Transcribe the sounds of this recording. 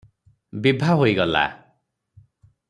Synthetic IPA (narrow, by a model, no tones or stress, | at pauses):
bibʱaɦojɡɔla̰